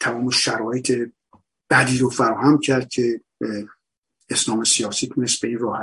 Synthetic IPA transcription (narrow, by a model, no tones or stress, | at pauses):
t̪ʰæmɒːmeʃæɾɒːjet̪ʰe̞ | b̥æd̪iːɾofæɾɒːhæmcʰæɾd̪̥̚cʲʰe̞ | eslɒːme̞sijɒːsiːt̪ʰune̞st̪̚be̞iːnrɒːhæ